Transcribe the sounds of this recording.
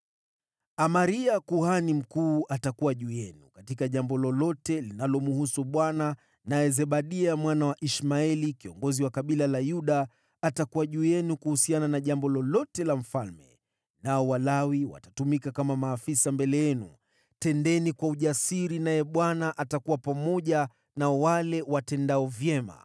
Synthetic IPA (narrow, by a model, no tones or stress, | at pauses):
amaɾiakuhanim̩kuːʔatakuwaʄuːjɛnukatikaʄambɔlɔlɔtɛlinalɔmuhusuɓwana | najɛzɛɓaɗiamwanawaʔiʃmaɛlikiɔ̰ŋɡɔziwakaɓilalajuɗaː | takuwaʄuːjɛnukuhusiananaʄambɔlɔlɔtɛlam̩falmɛ̰ | naɔwalawiwa̰tatumikakamamaːfisambɛlɛjɛnṵ | tɛndɛnikwauʄasiɾinajɛɓwanaʔatakuwapamɔʄa | nawalɛwatɛndaɔvjɛma̰